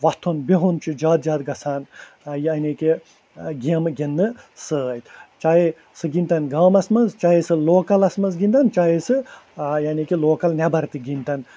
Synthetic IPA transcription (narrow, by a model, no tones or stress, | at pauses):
ʋɐt̪ʰːunbiɦunt͡ʃʰid͡ʒaːt̪̚d͡ʒaːt̪̚ɡɐsaːn | janiki | ɡimɨɡʲinːɨ | sɨjt̪t͡ʃaːji | sɨɡint̪ɐnɡaːmɐsmɐnzt͡ʃaɦisɨloːkɐlɐsmɐnzɡint̪ɐnt͡ʃaːjisɨjaːnikiloːkɐlnʲɛbɐɾt̪iɡint̪ɐn